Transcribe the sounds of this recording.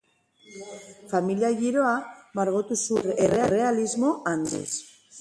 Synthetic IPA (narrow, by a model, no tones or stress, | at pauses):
familiaɣiɾo̞amaɾɣot̪usurere̞are̞alizmo̞and̪ḭs